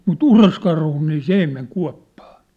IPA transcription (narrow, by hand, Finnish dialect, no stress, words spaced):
mut uroskɑrhu niː s ei meŋ kuɑ̝pːɑ̥ː